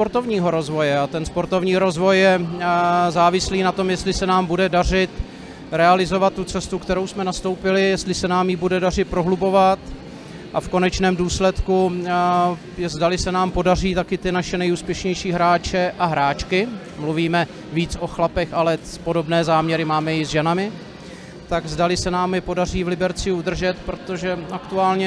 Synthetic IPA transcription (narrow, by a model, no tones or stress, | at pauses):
spo̞ɾt̪o̞vɲiːɦo̞ɾo̞zvo̞jɛat̪ɛnspo̞ɾt̪o̞vɲiːɾo̞zvo̞jːɛ | zaːvɪsliːnat̪o̞mjɛst̪lɪsɛnaːmbudɛdar̝ɪt̪ | ɾɛalɪzo̞vat̪ːut͡sɛst̪ukt̪ɛɾo̞wsmɛnast̪o̞wpɪlɪjɛst̪lɪsɛnaːmjɪbudɛdarɪt̪̚pɾo̞ɦlubo̞vat̪ | ʔafko̞nɛt͡ʃnɛːmduːslɛt̪ku | jɛzdalɪsɛnaːmpo̞dar̝iːt̪akɪt̪ɪnaʃɛnɛjuːspjɛʃɲɛjʃiːɦɾaːt͡ʃɛʔaɦɾaːt͡ʃkɪ | mluviːmɛ | viːt͡sʔo̞xlapɛxalɛpo̞do̞bnɛːzaːmɲɛɾɪmaːmɛjɪzʒɛnamɪ | t̪aɡzdalɪsɛnaːmjɪpo̞dariːvlɪbɛɾt͡sɪud̪r̩ʒɛt̪pɾo̞t̪o̞ʒɛakt̪uaːlɲɛ